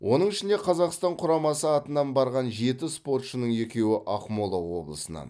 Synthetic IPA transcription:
wʔo̞nəɴɪʃɪnd̪eqʰɑzɑqst̪ɑɴqʰʊɾɑmɑsəɑt̪ənɑnbɑɾʁɑnʒe̞t̪ɪspo̞rt̪ʃənəɴje̞kʲe̞wɪʔɑqmolˠɑwo̞̰blˠəsənɑ̰n

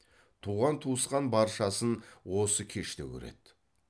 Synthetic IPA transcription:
t̪ʰuʁɑnt̪ʰuəsqɑnbɑɾʃɑsənwo̞səkʲʰe̞ʃt̪ekʲɵ̰ɾḛd̪

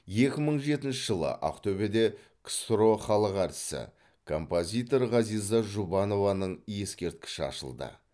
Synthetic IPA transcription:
je̞kʲɪməɴʒe̞t̪ɪnʃɪʒəlˠə̰ʔɑ̰qt̪ʰɵbe̞d̪e̞ | kʰst̪ɾo̞χɑlˠəqæɾt̪ɪ̥sɪ̰ | kʰo̞̰mpo̞zʲijt̪o̞ɾʁɑzijzɑʒubɑno̞vɑnəɴje̞skʲe̞ɾt̪kʲɪ̥ʃɪɑ̰ʃə̰lˠd̪ə̰

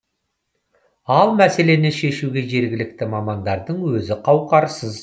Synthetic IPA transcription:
ɑlˠmæse̞le̞neʃe̞ʃuɡʲe̞ʒe̞ɾɡʲɪlɪk̚t̪ɪmɑmɑnd̪ɑɾd̪əɴwɵzɪqʰɑwqɑɾsəz

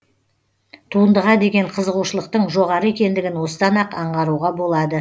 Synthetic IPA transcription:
t̪ʰuənd̪əʁɑd̪e̞ɡʲe̞ɴqʰəzəʁuʃəlˠəq̚t̪əɴʒo̞ʁɑɾəekʲe̞nd̪ɪɡʲɪnwo̞səd̪ɑnɑqɑɴʁɑɾuʁɑbo̞lˠɑd̪ə

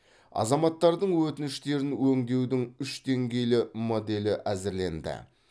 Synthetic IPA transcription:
ɑ̰zɑmɑt̪ːɑɾd̪əɴwɵt̪ɪnɪʃt̪e̞ɾɪnwɵŋd̪e̞wd̪ɪŋʏʃd̪e̞ŋɡʲe̞jlɪmo̞d̪e̞lɪʔæzɪɾle̞̰nd̪ɪ̰

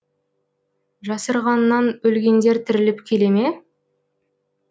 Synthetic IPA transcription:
ʒɑsəɾʁɑnːɑnɵlɡʲe̞nd̪e̞ɾt̪ʰɪɾɪlɪpkʲʰe̞le̞me̞

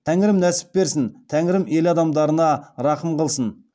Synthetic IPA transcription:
t̪ʰæŋɪɾɪmnæsɪ̥p̚be̞ɾsɪnt̪ʰæŋɪɾɪme̞lɑd̪ɑmd̪ɑɾənɑɾɑqəmqəlˠsən

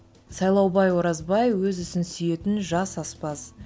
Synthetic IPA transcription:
sɑjlˠɑwbɑjwoɾɑzbɑjwɵzʏsɪnsʏje̞t̪ɪnʒɑsɑspɑs

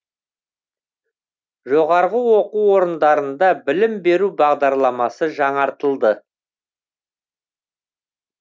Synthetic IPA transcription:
ʒo̞ʁɑɾʁəwo̞quwo̞ɾənd̪ɑɾənd̪ɑbɪlɪmbe̞ɾubɑʁd̪ɑɾlˠɑmɑsəʒɑɴɑɾt̪əlˠd̪ə

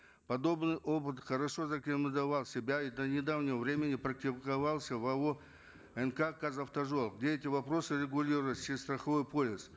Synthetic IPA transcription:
pɐd̪o̞bnɨjʔo̞pɨt̪χəɾɐʂo̞zɐkʲɪnɨd̪ɐvalˠsʲɪbʲaid̪ənʲɪd̪avnʲɪvəvɾʲemʲɪnʲɪpɾɐk̚t̪ʲɪkɐvalˠsʲəvɐo | ɛnkakazɐft̪ɐʐolˠɡdʲeɛtʲɪvɐpɾo̞sɨɾʲɪɡʊlʲiɾʊvət̪ʲsʲɪst̪ɾəxɐvo̞jpo̞lʲɪs

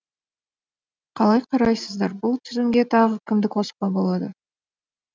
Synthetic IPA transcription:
qʰɑlˠɑjqʰɑɾɑjsəzd̪ɑɾbʊlˠt̪ʰʏzɪŋɡʲe̞t̪ʰɑʁəkʲʰɪmd̪ɪkʰo̞sə̥pɑbo̞lˠɑd̪ə

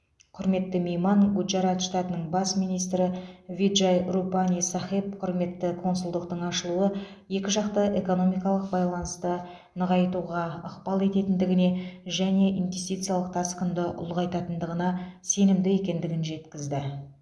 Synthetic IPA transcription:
qʰʊɾme̞t̪ːɪme̞jmɑɴɡud̪ʒɑɾɑt̪ʃt̪at̪ənəɴbɑsmijnijst̪ɾɪvʲid̪ʒajrupanʲisaχep̚qʰʊɾme̞t̪ːɪkʰo̞nsʊlˠd̪əq̚t̪əɴɑʃəlˠuə | je̞kʲɪʒɑqt̪əʔe̞ko̞no̞mijkɑlˠəq̚bɑjlˠɑnəst̪ə | nəʁɑjt̪uʁɑəqpɑlˠe̞t̪e̞t̪ɪnd̪ɪɡʲɪne̞ʒæne̞ʔinvʲe̞st̪ijt̪sɨjalˠəq̚t̪ʰɑsqənd̪əʔʊ̰lˠʁɑjt̪ɑt̪ənd̪əʁənɑse̞nɪmd̪ɪe̞kʲe̞nd̪ɪɡʲɪnʒe̞t̪kʲɪzd̪ɪ

